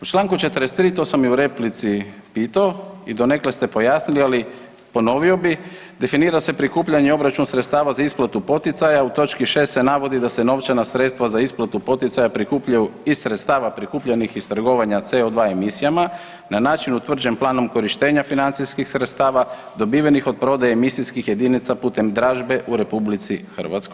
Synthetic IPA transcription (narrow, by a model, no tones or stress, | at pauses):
ut͡ʃlˠaːŋkut͡ʃe̞t̪ɾest̪ːɾiːt̪o̞samiuɾe̞plit̪sipiːt̪aoid̪o̞ne̞kle̞st̪e̞po̞jaːsniliali | po̞no̞ʋio̞bi | d̪e̞finiːɾase̞pɾikuːpʎaɲeo̞bɾat͡ʃunsɾet̪st̪aːʋazaisplˠat̪upo̞t̪it̪sajaut̪o̞t͡ʃkiʃe̞ːst̪se̞naʋo̞d̪id̪ase̞no̞ʋt͡ʃanasɾet̪st̪ʋazaisplˠat̪upo̞t̪it̪sajapɾikuːpʎajuisɾe̞t̪st̪aːʋapɾikuːpʎenixist̪r̩ɡo̞ʋaɲat̪seo̞d̪ʋaemisijama | nanaːt͡ʃinut̪ʋr̩d͡ʒe̞mplˠaːno̞mko̞ɾiʃt̪e̞ːɲafinant̪siskixsɾet̪st̪aːʋa | d̪o̞biːʋenixo̞d̪̚pɾo̞d̪ajamisiskixje̞d̪iːnit̪sapuːt̪e̞md̪ɾaːʒbe̞ʔuɾe̞publit̪sixr̩ʋa̰t̪skoj